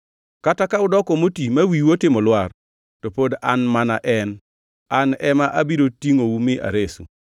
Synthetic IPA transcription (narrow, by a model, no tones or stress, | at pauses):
katakaʊdɔkɔmotimawiwotɪmɔlwar | topodanmanaʔɛn | anɛmaʔabiɾotiŋowumɪʔa̰ɾesṵ